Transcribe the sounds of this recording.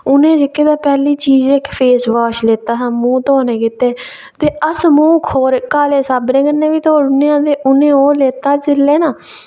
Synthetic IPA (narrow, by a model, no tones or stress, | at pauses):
ʊnẽːd͡ʒɪkːeːd̪aːpɛːliːt͡ʃiːd͡ʒɪkːpʰeːsʋaːʃleːt̪aːsãːnmũːt̪oːneːkɪt̪eː | t̪eːəsmũːkʰoːɾkaːleːsaːbnẽːkənːẽːʋiːt̪oːɽʊneãːd̪eːʔʊnẽːɦoːɾleːt̪aːd͡ʒɪlːeːnaː